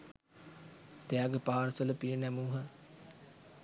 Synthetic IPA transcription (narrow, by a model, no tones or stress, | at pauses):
t̪eaɡəpaɦaɾsələpiənɛmuːɦə